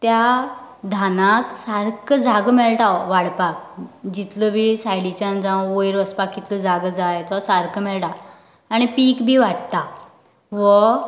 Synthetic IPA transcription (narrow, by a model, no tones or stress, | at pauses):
t̪ja | d̪ʱanãksaɾkəd͡zaɡmɛɭʈaʋaɽpak̚d͡ʑit̪ləbʱisajlit͡ɕãnd͡zãwojɾʋəspakːit̪ləd͡zaɡəd͡zajt̪ɔsaɾkəmɛɭʈaː | ɽ̃ipiːkbʱiːʋaɽt̪a | ʋɔ